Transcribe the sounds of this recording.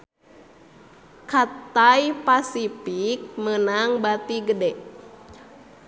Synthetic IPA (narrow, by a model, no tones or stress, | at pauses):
kat̪ajpasipik̚mənaŋbat̪iɡədɛ